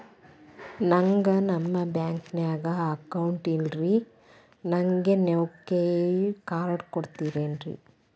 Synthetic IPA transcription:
nɐŋɡɐnɐmːɐbjaːŋknaːɡɐːkːɐwɳʈinɾi | nɐŋɡenewkːekaːɾɐɽkɔɽɯt̪ːiːɾeːndɾḭ

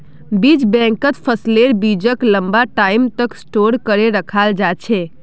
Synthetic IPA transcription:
bid͡ʒbɛ̃ŋkət̪pʰəsleɾbid͡ʒəkləmbaʈaimt̪əksʈoɾkəɾeɾəkʰald͡ʒat͡ʃʰe

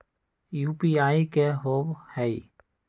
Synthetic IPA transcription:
juːpiaːikeɦoːbhɛi

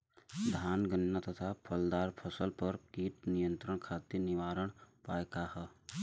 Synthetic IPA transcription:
d̪ʱaːnɡənːat̪ət̪ʰapʰəld̪aːɾpʰəsəlpəɾkiːʈnijə̃nt̪ɾəɳ̃kʰaːt̪inɪʋaːɾəɽ̃paːekahə

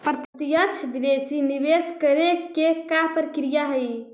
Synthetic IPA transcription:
pɾt̪ət̪ijət͡ʃʰbid̪esinibeskəɾekekapɾəkɾijaɦəj

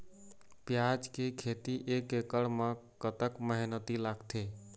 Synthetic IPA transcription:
pjad͡ʒkekʰet̪iʔekekəɽmekət̪əkməɦinət̪ilaɡt̪ʰe

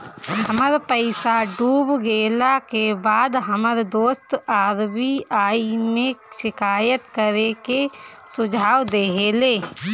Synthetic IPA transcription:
ɦəməɾpəɪsaɖuːbɡeːlakebaːd̪ɦəməɾd̪oːst̪aːɾbiaːimẽʃɪkaːjət̪kəɾekesʊd͡ʒʱaːwd̪eːɦeleː

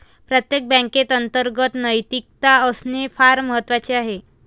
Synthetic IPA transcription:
pɾət̪jek̚bɛ̃ŋket̪ənt̪əɾɡət̪nəjt̪ik̚t̪aəsnefaɾməɦət̪ːʋat͡ɕeaɦe

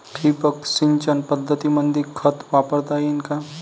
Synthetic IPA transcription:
ʈʰiːpəksɪnt͡ʃənpɐd̪ʱːət̪imə̃nd̪ɪkʰət̪ʋaːpəɾt̪aɦɛɪnka

